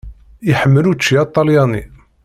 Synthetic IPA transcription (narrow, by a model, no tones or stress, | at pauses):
iħəmːəlut͡ʃːiɑt̪ˤːɑljɑni